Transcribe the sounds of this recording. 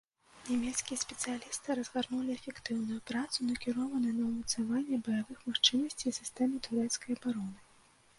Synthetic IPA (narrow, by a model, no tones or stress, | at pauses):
nʲamʲɛt̪skʲijɛsʲpʲɛt̪sɨjalʲist̪ɨɾɐzɣarnulʲiɛfʲɛkt̪ɨwnujupɾat̪sunɐkʲiɾɔvɐnɨjnɐwmɐt̪savanʲːɛbɐjavɨxmaxt͡ʂɨnɐsʲt͡sʲisʲɨst̪ɛmɨt̪uɾɛt̪skɐjɐbaɾɔnɨ